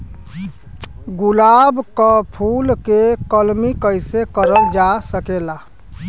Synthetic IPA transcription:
ɡulabkɔpʰulkekəlmikəjsekəɾəld͡ʒasəkela

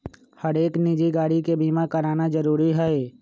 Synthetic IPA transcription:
həɾeːknɪd͡ʒiɡaːɽikebiːmakəɾaːnazəɾuːɾiɦɛe

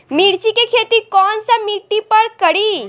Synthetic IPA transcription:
miɽt͡ʃikekʰet̪ikɔːnsɐmiʈːipəɾkəɽi

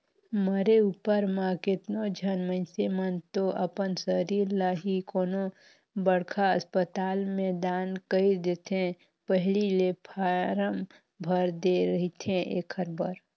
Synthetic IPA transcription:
məɾeuːpəɾmãkɪt̪nod͡ʒʱənmə̃ɪsemənt̪oʔəpənsəɾiːɾlaɦikoːno | bəɽkʰaəspət̪aːlmɛed̪aːnkəid̪et̪ʰẽ | pəɦlilepʰaɾəm | bʱəɾd̪eɾəɦit̪ʰẽʔḛːkʰəɾbəɾ

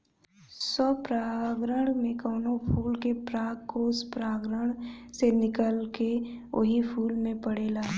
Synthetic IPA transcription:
sɔːpɾaːɡɾəɽ̃mẽkɔːnopʰuːlkepɾaːɡkoːspɾaːɡɾəɽ̃senɪkəlkeo̰ɦipʰuːlmẽpəɽeːlaː

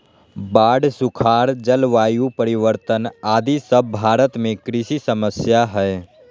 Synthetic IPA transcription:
baːɖsʊkʰaːɾd͡ʒəlʋaːjupəɾɪʋəɾt̪ənaːd̪isəbːʱaːɾət̪mẽkɾɪʃisəməsjaɦɛː

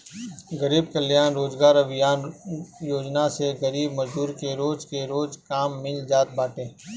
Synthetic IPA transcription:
ɡəɾiːbkəlijaːnɾoːd͡ʒɡaːɾɐbɪjaːnjoːd͡ʒnaseɡəɾiːbmɐd͡ʒuːɾkeɾoːd͡ʒkeɾoːd͡ʒkaːmːɪld͡ʒaːt̪̚baːʈẽː

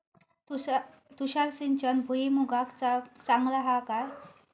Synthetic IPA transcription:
t̪uɕaɾsint͡ɕənbʱuimuɡakt͡sat͡saŋɡlaɦakaj

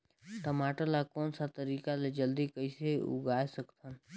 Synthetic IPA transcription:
t̪əmaːʈəlakɔːnsat̪əɾiːkaled͡ʒəld̪ikəɪseʊ̰ɡaːesəkt̪ʰən

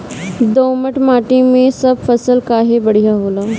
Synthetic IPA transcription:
d̪oməʈmaʈimesəbfəsəlkaɦebəɽ̤ijaɦola

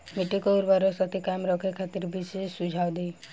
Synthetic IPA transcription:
miʈikouɾbaɾɔsɔt̪ʰikajmɾɔkʰekʰat̪iɾbisesud͡ʒʱawd̪ej

